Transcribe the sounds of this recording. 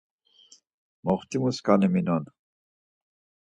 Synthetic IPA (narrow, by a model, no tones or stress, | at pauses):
mɔχt̪imuskaniminɔn